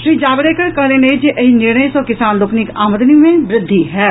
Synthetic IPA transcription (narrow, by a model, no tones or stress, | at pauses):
ʃɾiːd͡ʒaːbəɾeːkəɾkəɦleːneid͡ʒiʔəɦinɪɾɳəesɔːkɪsaːnlʊkʰnɪkaːməd̪nimẽːʋɾɪd̪ʱːiːɦɛː